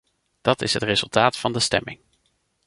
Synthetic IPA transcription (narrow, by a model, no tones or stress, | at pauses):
d̥ɑtɪsɦətrezɵlˠtaːtfɑndəstɛ̰mɪŋ